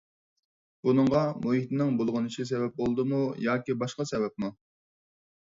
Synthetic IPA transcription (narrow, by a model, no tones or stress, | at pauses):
bunɨŋʁɑmot̪ɪnɪŋbolˠʁɑniʃis̬ɛvɛp̚bolˠd̪ɨmujɑːkʲibɑʃqɑsɛvɛp̚mu